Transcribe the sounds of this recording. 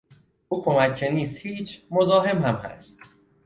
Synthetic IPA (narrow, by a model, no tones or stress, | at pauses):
ʔuːkʰo̞mæcʰːe̞niːst̪hiːt͡ʃʰmo̞zɒːɦe̞mhæmhæ̰st̪